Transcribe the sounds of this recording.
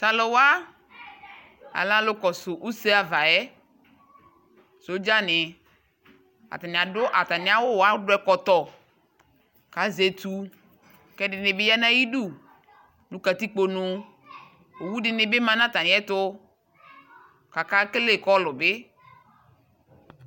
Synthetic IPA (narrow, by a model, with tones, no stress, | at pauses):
sa˨lo˨wa˦ | a̰˨lã˦lʊ˦kɔ˨sʊ˨ʔu˦se˦a˨va˨ɛ˦ | so˨˦d͡ʒa˦nɪ˨ | a̰˨t̪a˨nɪ˨a˨dʊ˦ʔa˨t̪a˨ni˨˦a˦wʊ˦wa˦dʊ˦ɛ˦kɔ˨t̪ɔ˨ | ka˨˦ze˨t̪u˨ | kɛ˦dɪ˨nɪ˨bɪ˦ja˦nã˦ji˦du˦˨ | nũ˨ka˨t̪i˦k͡po˨nʊ˨ | o˨wu˦dɪ˨nɪ˨be˦mã˨nã˦t̪a˨nɪ̃˨˦ɛ˦t̪ʊ˦ | ka˨ka˦kle˦˨kɔ˦lʊ˨be˦